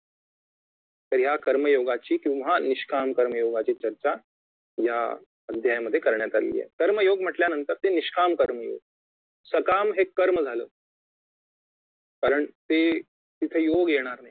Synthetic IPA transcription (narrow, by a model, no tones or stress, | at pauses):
t̪əɾjakəɾməjoɡat͡ɕiːkĩw̃ʋaniʂkamkəɾməjoɡat͡ɕiːt͡ɕəɾt͡ɕa | ja̰ | əd̪ʱjajməd̪ʱːjekəɾɳjat̪alḭːjɛ̰kəɾməjoɡm̤əʈljanənt̪əɾt̪eniʂkamkəɾməjo̰ɡ̚ | səkamɦekːəɾməd͡zʱaləː | kaɾəɳt̪e | t̪it̪ʰəjoɡjeɽ̃aɾnaj